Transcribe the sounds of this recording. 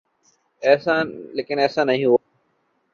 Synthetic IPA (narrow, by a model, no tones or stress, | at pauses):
ɛːsãːleːkɪnɛːsãːnɐɦĩɦua